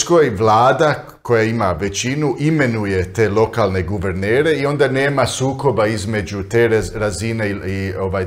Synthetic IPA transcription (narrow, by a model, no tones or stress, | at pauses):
skojʋlˠaːd̪a | kʰo̞jaimaʋe̞t͡ʃinuʔimenuje̞t̪e̞ːlo̞kalˠne̞ɡuʋeɾneːɾe̞io̞nd̪ane̞ːmasuːko̞baizme̞d͡ʒut̪eɾɾazineio̞ʋaj